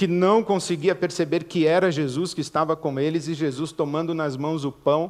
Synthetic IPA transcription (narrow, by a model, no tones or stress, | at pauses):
kɪnɐ̃w̃kõsɪɡiɐpeɾsebeɾkɪɛɾɐʒezuskɪːst̪avɐkõw̃elɪzɪʒezust̪omɐ̃nd̪ʊnɐzmɐ̃w̃zʊpɐ̃w̃